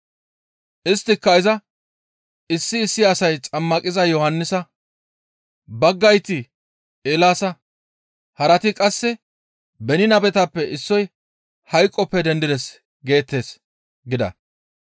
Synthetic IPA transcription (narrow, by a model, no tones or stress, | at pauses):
ʔɪst̪ːɪkːɐɪzɐ | ɪsːɪːsːɪːsɐjt͡sʼɐmːɐkʼɪzɐjɔhɐnːɪsɐ | bɐɡːɐjt̪ɪ | eːlaːsɐ | hɐɾɐt̪ɪkʼɐsːɛ | bɛnɪnɐbɛt̪ɐpːɛʔɪsːɔj | hɐjkʼːɔpːɛd̪ɛnd̪ɪd̪ɛs | ɡe̞ːt̪ːe̞ːs | ɡɪd̪ɐ̰